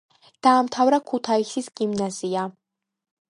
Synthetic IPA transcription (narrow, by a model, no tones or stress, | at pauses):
d̪̥aːmt̪ʰavɾakʰut̪ʰaisisɡimnazia